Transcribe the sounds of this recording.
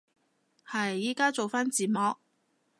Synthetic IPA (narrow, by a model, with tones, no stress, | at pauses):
hɐ˨jːiː˨˥kaː˥t͡so˨wfaː˥nt͡siː˨˩mɔː˨˧k̚